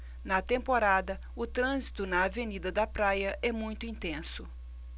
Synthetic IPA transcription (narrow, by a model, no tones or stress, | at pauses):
nɐt̪ẽmpoɾad̪ɐ | ʊt̪ɾɐ̃zit̪ʊnɐːvenid̪ɐd̪ɐpɾajɐʔɛmũj̃t̪ʊĩnt̪ẽsʊ